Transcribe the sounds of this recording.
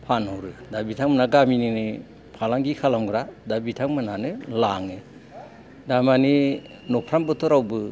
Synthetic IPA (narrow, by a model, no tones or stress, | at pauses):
pʰanɦɔwɾɯdabitʰaŋmanaɡamininɯ | pʰalaŋɡikʰalamɡɯɾadabitʰaŋmananɯlaŋɯ | damani | nɔpʰɾambɯtʰɔɾawbɯ